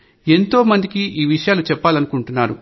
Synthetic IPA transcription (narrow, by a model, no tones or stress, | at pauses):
e̞nt̪o̞ːmɐnd̪ikiʔiːʋiʂɐjaːlut͡ʃɛpːaːlɐnukuɳʈunːaːɾu